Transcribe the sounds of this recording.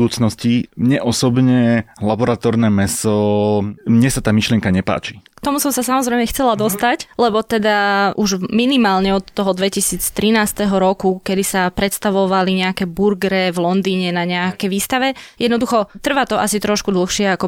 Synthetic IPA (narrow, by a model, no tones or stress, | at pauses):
uːt͡snɔscimɲɛʔɔsɔbɲɛlabɔɾat̪ɔɾnɛmɛsɔ | mɲɛsat̪aːmiʃlɪɛŋkaɲɛpa̰ːt͡ʃi̥kt̪ɔmusɔmsasamɔzɾɛjmɛxt͡sɛlad̪ɔst̪aclɛbɔt̪ɛd̪aʔuʒminimaːlɲɛɔt̪ːɔɦɔd̪ʋɛcisiːt͡st̪ɾinaːst̪ɛɦɔɾɔkukɛd̪isapɾɛt̪st̪aʋɔʋaliɲɛakɛbuɾɡɾɛvlɔnd̪iːɲɛnaɲɛakɛjʋiːst̪aʋɛjɛd̪nɔd̪uxɔt̪r̩ʋat̪ɔʔa̰sit̪ɾɔʃkud̪l̩ˠxʃɪɛakɔ